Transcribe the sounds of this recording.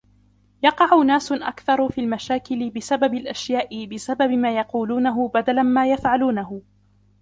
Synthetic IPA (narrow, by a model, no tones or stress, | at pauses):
jɑqɑʕʊnaːsʔa̰kθɑɾˤfiːlmaʃaːkɪlɪbɪsababɪlʔaʃjaːʔɪbɪsababɪmaːjɑquːluːnaɦʊbad̪alamaːjafʕaluːnaɦʊ